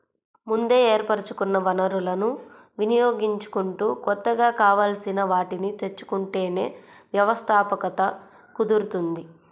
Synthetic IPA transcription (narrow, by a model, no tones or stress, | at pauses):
mund̪e̞ːeːɾpɐɾɐt͡ʃukunːɐʋɐnɐɾulɐnu | ʋinijo̞ːɡiɲt͡ʃu̥kuɳʈuːkɔt̪ːɐɡaːkaːʋaːlɐsinɐʋaːʈinit̪e̞t͡ʃːu̥kuɳʈe̞ːne̞̰ː | ʋjɐʋɐst̪ʰaːpɐkɐt̪ɐ | kud̪uɾut̪und̪i